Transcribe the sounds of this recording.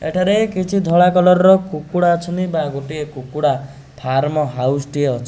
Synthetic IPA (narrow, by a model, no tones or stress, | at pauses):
ḛʈʰaɾekit͡ʃʰid̪ʱɔɭakɔlɔɾɔɾɔkukuɽaɔt͡ʃʰɔnibaɡoʈiekukuɽa | pʰaɾmɔɦawsʈieɔt͡ʃʰɔ